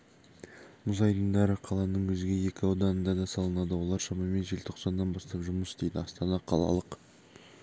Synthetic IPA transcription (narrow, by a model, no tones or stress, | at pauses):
mʊzɑjd̪əɴd̪ɑɾəqʰɑlˠɑnəɴwɵzɡʲe̞je̞kʲɪɑwd̪ɑnənd̪ɑd̪ɑsɑlˠənɑd̪əwo̞lˠɑɾʃɑmɑme̞nʒe̞lt̪ʰo̞qsɑnːɑnbɑst̪ɑpʒʊməsd̪e̞jd̪ɪɑst̪ɑnɑqʰɑ̰lˠɑ̰lˠəq